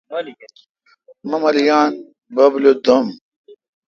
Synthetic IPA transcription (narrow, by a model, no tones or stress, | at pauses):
mɐmɐlijaːn | bɐblod̪ɐm